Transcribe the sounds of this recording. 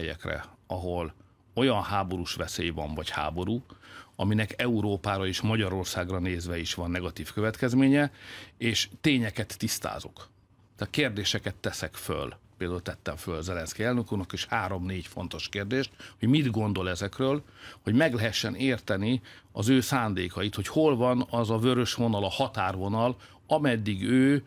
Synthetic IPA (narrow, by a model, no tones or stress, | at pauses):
ɛjɛ̰krɛ̰ɒɦo̞l | o̞jɒnhaːbo̞ɾuʃʋɛsḛːjvɒɱvɒcha̰ːbo̞ɾuːɒminɛkɛuɾoːpaːɾɒiʃmɒɟɒɾo̞rsaːɡrɒneːzʋɛiʃʋɒnːɛɡɒt̪iːfkøvɛt̪kɛzmeːɲɛeːʃt̪eːɲɛkɛt̪ːist̪a̰ːzo̞̰k | t̪aːt̪keːrd̪eːʃɛkɛt̪ːɛsɛkfø̰lpeːld̪aːult̪ɛt̪ːɛɱfølzɛlɛnskɛɛlnukurnɒkeːʃhaːɾo̞mneːcfo̞̰nt̪o̞ʃkeːrd̪eːʃt̪ho̞ɟmid̪ɡo̞nd̪o̞lɛzɛkrøːlho̞ɟmɛɡlɛɦɛʃːɛneːrt̪ɛni | ɒzøːsaːnd̪eːkɒit̪ho̞cho̞lvɒnɒzɒvøɾøʃʋo̞nɒlɒhɒt̪aːrvo̞nɒl | ɒmɛd̪ːiɡøː